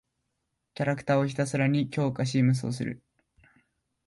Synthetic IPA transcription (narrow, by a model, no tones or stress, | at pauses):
kʲaɾakɯ̟̥t̪aːo̞çʲi̥t̪asaɾaɲ̟ikʲo̞ːkaɕiːmɯ̟s̬o̰s̬ɨɾɯ̰